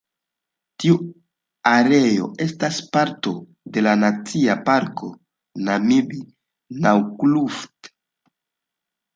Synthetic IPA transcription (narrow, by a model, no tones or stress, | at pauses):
tiu | aɾe̞jo̞̰e̞staspaɾto̞ | de̞lanat͡siapaɾkʰo̞ | namibi | nawkluft